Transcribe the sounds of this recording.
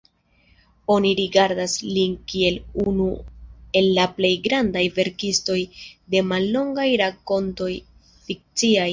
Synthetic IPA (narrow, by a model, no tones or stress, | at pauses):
o̞niɾiɡaɾdaslinkie̞lunue̞lːaple̞jɡɾandajve̞ɾkisto̞jde̞malːo̞ŋɡajɾako̞nto̞j | fik̚t͡siaj